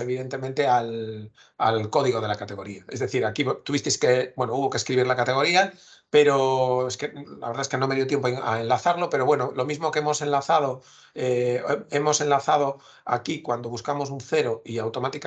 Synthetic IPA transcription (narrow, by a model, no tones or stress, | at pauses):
e̞βiðe̞nt̪e̞mẽnt̪e̞al | alko̞ðiɣo̞ðe̞lakat̪e̞ɣ̞o̞ɾiae̞zðe̞θiɾakiβot̪uβist̪ejskebwe̞nouβo̞keskɾiβiɾlakat̪e̞ɣ̞o̞ɾia | pe̞ɾoeske̞la̰βeɾðaeske̞nomeiðot̪jemp̬oeŋa̰enlaθaɾlo̞pe̞ɾo̞βwe̞nolo̞mizmo̞keemo̞se̞nlaθað̞o̞ | ee̞mo̞se̞nlaθað̞o̞ | a̰kikwand̪o̞βuskamo̞s̬unθe̞ɾo̞iawt̪o̞mat̪ik